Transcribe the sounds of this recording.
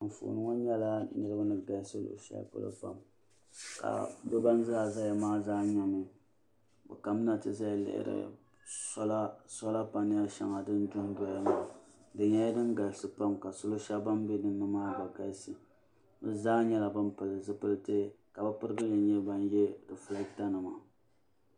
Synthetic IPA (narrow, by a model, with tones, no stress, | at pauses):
m̩˨fṵ˨ʔnɨ˦ŋɔ˦ɲɛ˦la˦nɨ˦ɾɨ˦ba˦nɨ˦ɡa˨˦sɨ˦lo̰˨ʃa̰˦pʊ̰˦lɨ̰˦pa̰˦˨m | ka̰˨bɨ˦ba˦n˦zaː˦za˦ja˨maː˦zaː˦ɲa˦mɨ˨ | bɨ̰˨ka˨mɨ˦na˨tɨ˦za˦ja˨lɪ̰˨ɪ̰˨ɾɨ̰˨ | sɔ˦la˦sɔ˦la˦pa˨nɨ˦ja˦ʃa̰˨ŋa˨dɨ˦n˦du˦n˦dɔ˦ja˦ma˨dɨ˨ɲa˦ja˦dɨ˦nɡa˨lsɨ˨pa˦mka˨sʊ˦lo˦ʃa˦ba˦mbe˦nɨ˦nːɨ˦maː˦ba˨ɡa˨lsɨ˨ | bɨ˦zaː˦ɲɛ˦la˨bɨ˦m˦pɨ˨lɨ˨zɨ˦pɨ˦lte˦ | ka˨bɨ˦pɨ˦ɾɨ˦ɡɨ˦jɛ˨ɲɛ˦ba˦n˦jɛ˦dɨ˨fɨ˦la˦ɡi˦ta˦nɨ˨ma˨